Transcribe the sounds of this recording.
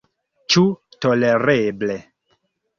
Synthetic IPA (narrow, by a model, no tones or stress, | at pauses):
t͡ʃutoleɾeble